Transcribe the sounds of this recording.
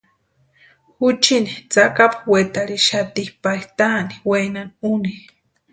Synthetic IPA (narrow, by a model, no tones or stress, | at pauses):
xut͡ʃinit͡sakapawet̪aɾiʃat̪ihpajt̪ani̥wejnanuni